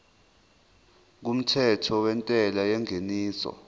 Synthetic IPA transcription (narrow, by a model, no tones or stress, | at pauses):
k̬um̩tʰɛtʰɔwɛntʼɛlajɛŋeniːsɔ̰